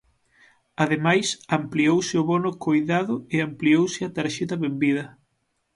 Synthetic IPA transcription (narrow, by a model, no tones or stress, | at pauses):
aðemajsampliowsɪʊβonʊkojðaðʊɪampliowsɪat̪aɾʃet̪ɐβembiðɐ